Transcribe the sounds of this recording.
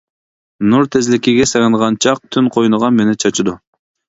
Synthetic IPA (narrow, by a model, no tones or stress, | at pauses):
nuɾt̪ʰezlɪkʲiɡʲɛseʁɑnʁɑnt͡ʃʰɑq̚t̪ʰynqʰojnəʁɑnmenɪt͡ʃʰɑt͡ʃʰud̪u